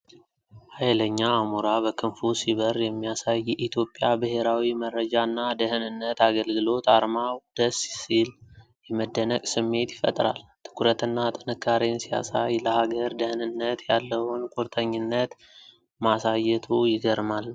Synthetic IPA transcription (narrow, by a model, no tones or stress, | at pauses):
hajləɲːaːmuɾabəkʰɨnfusiβərjɛmːijasajːɛʔit̪ʰjo̞pʼːjabɨɦeɾawimərəd͡ʒanːad̪əhɨnɨnːət̪aɡəlɡɨlo̞t̪aɾmawd̪̥əssil | jɛməd̪ːənəkʼsɨmːe̞t̪jɪfə̰t̪ʼɾa̰lt̪ʰɨ̥kʰuɾət̪ɨnːat̪ʼɨnɨkʰːaɾensija̰sajləhaɡəɾd̪əhnɨnːət̪jalːəwʊnkʼuɾt̪ʼʰəɲːɪnːət̪ | masajːɛt̪ʰujɪɡəɾmal